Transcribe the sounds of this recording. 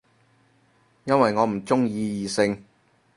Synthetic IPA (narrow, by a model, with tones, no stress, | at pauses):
jɐ˥nwɐ˨jŋɔː˨˧m̩˨˩t͡sʊ˥ŋjiː˧jiː˨sɪ˧ŋ